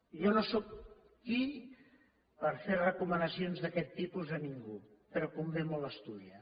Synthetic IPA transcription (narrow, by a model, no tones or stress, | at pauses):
ʒɔnosok̚ | ki | pəɾfeɾrəkumənəsionzðəkɛt̪ːipuzəniŋɡu | pəɾɔkumbemuləst̪uðiə